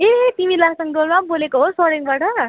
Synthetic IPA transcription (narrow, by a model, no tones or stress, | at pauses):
et̪imilasʌŋɡolmabolekoɦosʌɽiŋbaʈʌ